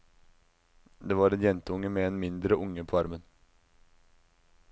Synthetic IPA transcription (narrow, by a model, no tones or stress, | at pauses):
d̪eːvɑɾɛnjɛnt̪əʊŋːəmɛɛnmɪnd̪ɾəʔʊŋːəpʰɔɑɾmən